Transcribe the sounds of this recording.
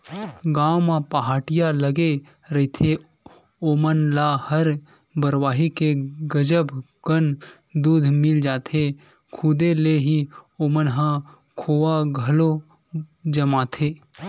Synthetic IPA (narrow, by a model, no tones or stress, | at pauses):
ɡaːmãpaɦaːʈɪjaləɡe | ɾɐt̪ʰe | oːmənlahəɾ | bəɾwaːɦikeɡəd͡ʒəb | ɡ̥ən | d̪uːd̪ʱmɪld͡ʒaːt̪ʰe | kʰʊd̪eleɦioːmənɦã | kʰoːaɡʱɐlo | d͡ʒəmaːt̪ʰeː